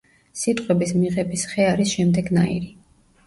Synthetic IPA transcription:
sit̪ʼqʼwɛbismiʁɛbisχɛaɾisʃɛmd̪ɛɡnaiɾi

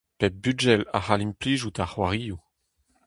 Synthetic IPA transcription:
pɛp̚byd͡ʒɛla̰halimpliʒut̪aχwaʁiːu

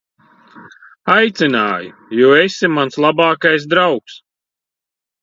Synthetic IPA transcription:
ajt̪sʲinaːju | juːesimanslˠabaːkajsd̪ɾawks

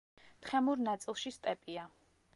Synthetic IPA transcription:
t̪χɛmuɾnat̪sʼilˠʃist̪ʼɛpʼia

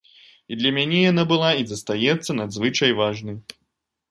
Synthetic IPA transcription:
id̪lʲɐmʲanʲɛjanabɨlˠaizɐst̪ajɛt̪sːɐnad̪zvɨt͡ʂɐjvaʐnɨ

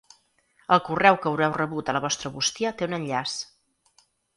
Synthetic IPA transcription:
əlˠkurɛwkəwɾɛwrəβut̪ələβ̞ɔst̪ɾəβust̪iət̪eunənʎas

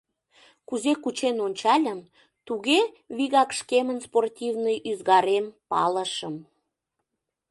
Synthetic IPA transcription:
kuzekut͡ɕenonʲt͡ɕɑlʲəm | t̪uɣe | βiɣɑkʃkemənsportʲivnəjʔyzɣɑɾempɑ̰ləʃəm

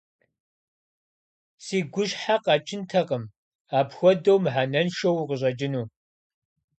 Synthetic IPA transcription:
siːɡʷʊɕħaqɑt͡ʃʼɪntʰɐqəm | aːpxʷɔdɐwmħanɐnʃɐwqəɕ̬ʼɐd͡ʒɪnuː

